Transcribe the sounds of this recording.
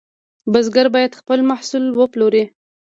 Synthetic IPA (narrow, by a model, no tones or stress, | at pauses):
bəzɡaɾbɑjad̪xpəlmahsulwəploɾi